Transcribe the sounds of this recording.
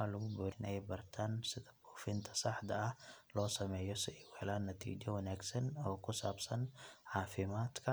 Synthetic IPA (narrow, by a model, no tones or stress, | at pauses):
ɐlʊɣʊbɔːɾɪnʔɛjbɐrt̪ʰaːnsɪðɐbuːfɪnt̪ʰɐ̥sɐħd̪ɐɐhlɔːsɐmɛːjɔsɪɪwɛlaːnːɐt̪ʰḭːt͡ʃɔwɐnaːɡsɐnɔːkʰʊsaːbsɐnʕɑːfɪmaːd̪kʰɐ